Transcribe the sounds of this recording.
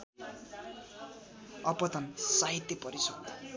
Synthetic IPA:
ʌpʌt̪ʌnsaɦit̪jʌpʌɾisod̪

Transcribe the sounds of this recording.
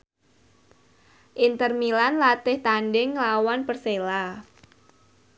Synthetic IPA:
ʔint̪ərmilanlat̪ɪht̪andɪŋlawanpərsela

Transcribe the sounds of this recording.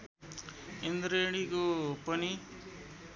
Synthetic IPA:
end̪ɾeɽikopʌni

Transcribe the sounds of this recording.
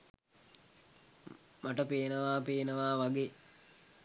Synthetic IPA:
maʈəpeːnəʋaːpeːnəʋaːʋaɡeː

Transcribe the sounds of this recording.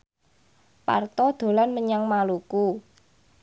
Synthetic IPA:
pa̰rt̪ɔd̪̥o̤lanməɲaŋmaluku

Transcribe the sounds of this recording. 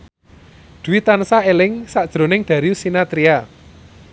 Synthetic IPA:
d̪̥uwit̪ansaelɪŋsad̥ʒ̥ɾo̤nɪŋɖ̪̥ä̤ɾiusinat̪ɾia

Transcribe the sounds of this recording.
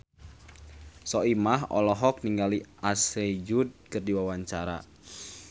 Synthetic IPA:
sɔimaɦɔ̰lɔɦɔk̚niŋɡaliased͡ʒud̚kɨrdiwawaɲt͡ʃaɾa̰

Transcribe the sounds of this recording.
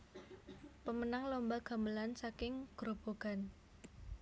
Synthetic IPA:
pəmənaŋlombaɡ̥a̤məlansakɪŋɡ̥ɾob̥o̤ɡ̥a̤n

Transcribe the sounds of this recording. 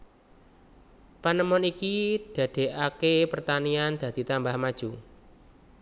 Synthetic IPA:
panəmɔnikid̥a̤d̪̥e̤ʔakepərt̪aniand̪̥ä̤d̪̥i̤t̪ambahmad̥ʒ̥u

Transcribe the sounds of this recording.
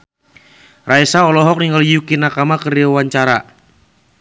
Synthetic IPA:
raisaɔlɔɦɔk̚niŋɡaljukinakamakəɾiawaɲt͡ʃaɾa

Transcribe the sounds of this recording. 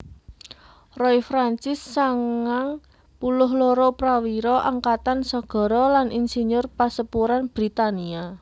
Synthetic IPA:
rɔifɾant͡ʃɪsːaŋaŋ | pulʊɦloɾɔpɾawiɾɔʔaŋkat̪ansɔɡ̥ɔ̤ɾɔlanʔinseɲʊrpasəpuɾanb̥ɾit̪ania

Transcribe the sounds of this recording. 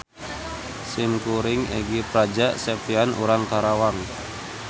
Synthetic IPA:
sɪmkuɾɪŋḛɡipɾad͡ʒaʔsɛpianṵɾaŋkaɾawaŋ

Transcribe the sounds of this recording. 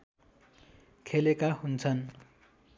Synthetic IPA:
kʰelekahunt͡sʰʌn

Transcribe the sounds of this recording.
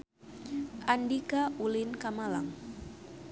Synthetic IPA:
ʔandikaʔulinkamala̰ŋ

